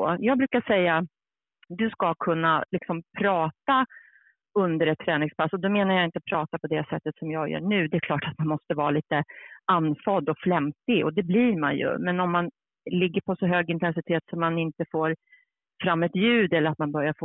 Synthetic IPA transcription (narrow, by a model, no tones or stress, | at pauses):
oːjɑːɡ̚bɾʉ̟ːkaʂɛjːa | d̪ɵskakʰɵnːalɪksɔmpʰɾɑːt̪a | ɵnd̪əɾɛt̪ʰːɾɛːnɪŋspʰasːɔd̪ɔmeːnaɾjaɪnt̪əpʰɾɑːt̪apʰɔd̪ɛsɛt̪ːət̪sɔmjɑːɡjœ̰ːɳʉ̟ːd̪ɛkʰlɑːʈat̪manmɔst̪əvɑːɾaliːt̪əanːfɔd̪ɔkflɛmt̪ɪɔ̰d̪ɛbliːɾma̰njɵ̰mɛnɔmːan | lɪɡːəɾpʰɔsɔɦøːɡɪnt̪ɛnsɪt̪ʰeːt̪sɔmːanɪnt̪əfoːɾ | fɾamːɛt̪jʉ̟ːd̪ɛlːəɾat̪manbœɾjaɾfoː